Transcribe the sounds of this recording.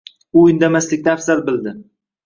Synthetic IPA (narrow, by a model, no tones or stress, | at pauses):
ʊɪnd̪amaslɪk̚ʲt̪aːfsalbɪld̪ɪ